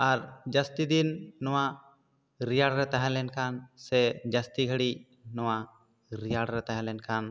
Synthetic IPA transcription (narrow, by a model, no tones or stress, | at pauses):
aɾd͡ʒast̪id̪inːɔwa | ɾijaɽɾɛt̪aɦɛ̃lɛnkansɛd͡ʒast̪iɡʱəɽi | nɔwa | ɾijaɽɾɛt̪aɦɛ̃lɛnkʰan